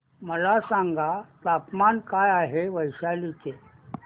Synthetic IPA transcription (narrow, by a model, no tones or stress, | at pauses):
məlasãŋɡʱat̪apmankajaɦeʋəjɕalit͡se